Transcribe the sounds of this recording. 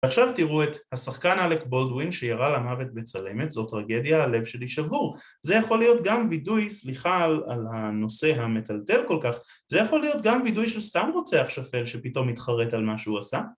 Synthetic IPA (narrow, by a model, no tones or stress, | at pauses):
veaχʃavtiʁuethasaχkanalekbo̞ldwinʃejaʁalamave̞t̚bet͡sale̞me̞tzo̞t̪ːʁaɡe̞djaale̞vʃe̞liʃavuʁ | zejaχo̞lijo̞tɡamvidujsliχalalhano̞se̞ɦame̞talte̞lko̞lkaχ | ze̞jaχo̞lːijo̞tɡamvidujʃelstamʁot͡seaχʃafe̞lʃe̞pito̞mitχaʁe̞talmaʃeuasa